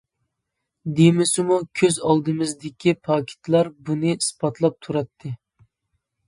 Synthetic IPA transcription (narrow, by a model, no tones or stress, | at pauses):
d̪emɪsɪmukʲʰøzɑlˠd̪ɨmɨzd̪ɪkʲipʰɑkʲʰɪ̥t̪lˠɑɾbunɨispɑt̪ʰlˠɑp̚t̪ʰuɾɑt̪ʰːɨ